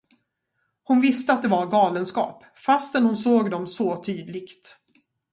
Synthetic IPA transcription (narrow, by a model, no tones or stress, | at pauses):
hʊnvɪst̪əat̪̚d̪ɛvaɾɡɑːlənskɑ̰ːp | fast̪ɛnhʊnsoːɡd̪ɔmsoːt̪ʰyːd̪lɪɡt̪